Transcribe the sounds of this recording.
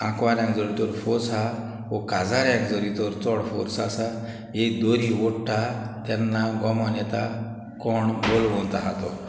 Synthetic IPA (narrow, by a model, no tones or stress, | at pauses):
ãkʋaɾjãŋkd͡zɔɾit̪ɔɾfɔɾsa | ʋɔkad͡zaɾjãŋkd͡zɔɾit̪ɔɾt͡sɔɽfɔ̰ɾsasa | ekd̪ɔɾiʋɔɽʈat̪ɛnːaɡɔmɔnɛt̪a | kɔɳbolʋɔnt̪aɦãt̪ɔ